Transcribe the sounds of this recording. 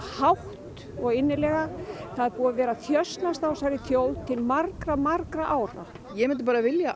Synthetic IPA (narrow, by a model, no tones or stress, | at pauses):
hawht̪ | ɔɣɪnːɪlɛɣaθaðɛɾpuːɣavɛːɾaθjœst̪nast̪awsajɾɪθjowlt̪ʰɪlmaɾkɾamaɾkɾaʔaːwɾa̰ | jɛmɪnt̪ɪpaːɾavɪlja